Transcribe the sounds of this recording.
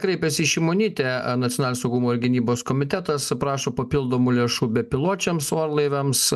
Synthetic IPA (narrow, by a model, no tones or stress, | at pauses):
kɾʲɛɪpʲɛsʲɪiʃʲɪmoːnʲiːt̪ʲɛnɐt̪ʲɪonɑːlʲnʲosɐʊɡumoːɪɾɡʲɪnʲiːboːskoːmʲɪt̪ʲæt̪ɐspɾɑːʃoːpɐpʲɪlˠd̪oːmuːlʲeːʃuːbʲɛpʲɪlˠoːt͡ʃʲɛmsoːɾlˠɐɪʋʲɛms